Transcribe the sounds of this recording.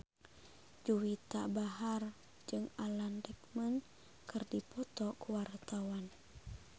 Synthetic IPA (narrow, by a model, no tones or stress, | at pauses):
d͡ʒuwit̪abaɦar | d͡ʒɨŋalandɛk̚mən | kɨrdipɔt̪ɔkuwart̪awan